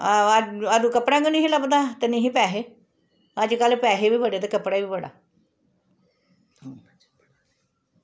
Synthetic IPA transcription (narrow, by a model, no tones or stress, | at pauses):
ad̪ũːkəpɽãːŋɡənĩɦĩləbd̪aːt̪enĩɦĩpɛːɦeː | əd͡ʒkəlpɛːɦeːbiːbəɽeːt̪eːkəpɽaːibiːbəɽa̰ː | ɦː